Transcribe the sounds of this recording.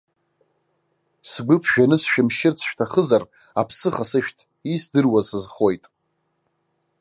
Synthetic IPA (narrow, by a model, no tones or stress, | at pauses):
sɡʷʊpʰʃᶣanɨsʃᶣɪmʃɪrt͡sʰʃᶣtʰaχəzar | apʰsɨχasɨʃᶣtʰ | isdɨrwazsɨzχo̞jtʼ